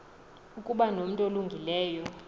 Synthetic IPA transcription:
ukʼuɓanom̩tʼoluŋɡʱilɛːjɔ

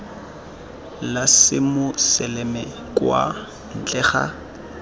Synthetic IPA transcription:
lasɪmʊsɛlemɛ | kʼwa̰ | n̩t͡ɬʼɛːχa̰

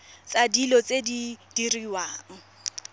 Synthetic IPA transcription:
t͡sʼadilɔt͡sʼedid̥iriwaːŋ̩

